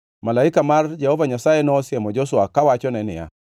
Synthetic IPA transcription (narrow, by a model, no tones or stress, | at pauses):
malaɪkamard͡ʒɛhɔvaɲasajenɔsɪɛmɔd͡ʒosʊakawat͡ʃɔnɛnɪ̰ja̰